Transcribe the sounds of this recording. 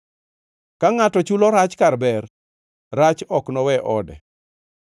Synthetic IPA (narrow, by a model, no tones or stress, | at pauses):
kaŋatɔt͡ʃulɔɾat͡ʃkarbɛrː | at͡ʃɔknɔwɛʔɔdɛ̰